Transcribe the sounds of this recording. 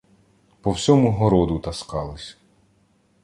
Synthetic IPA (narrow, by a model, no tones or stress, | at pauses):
pɔwsʲɔmʊɦɔɾɔd̪ʊt̪ɐskɑlˠɪsʲɐ̥